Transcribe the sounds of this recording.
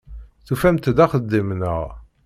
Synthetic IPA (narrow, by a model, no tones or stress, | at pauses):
θufæmt̪d̪æχəd̪ːimnəʁ